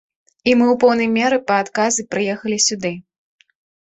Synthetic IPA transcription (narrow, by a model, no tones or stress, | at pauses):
imɨwpɔwnɐjmʲɛɾɨpɐːt̪kazɨpɾɨjɛxɐlʲisʲud̪ɨ